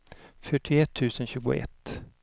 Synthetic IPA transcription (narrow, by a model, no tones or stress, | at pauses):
fœʈʰɪɛt̪ʰːʉ̟ːsənɕʉ̟ːɡʊ̰ɛ̰t̪ː